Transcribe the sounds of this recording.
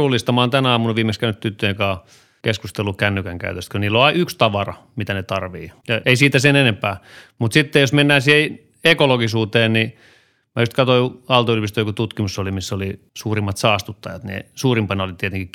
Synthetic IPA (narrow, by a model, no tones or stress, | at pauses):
uːlːˑist̪ɑmɑːnt̪ænɑːmunoʋiːmekskæynyt̪t̪yt̪ːøjekɑ | keskust̪elukænːykæŋkæ̰yt̪øst̪kyniːlːoɑiykst̪ɑʋɑrɑ̰ | mit̪ænet̪ɑrʋiːjɑʔeisiːt̪æsenenempæːmut̪sit̪ːejosmenːæːnsiːhe | ekoloɡisuːt̪eːnni | mjust̪kɑt̪oiɑlt̪ɑylpist̪øjokut̪ut̪kimusolimisːoli | suːrimːɑt̪sɑːst̪ut̪ːɑjɑt̪nḛsuːrimpɑneolit̪iet̪eŋki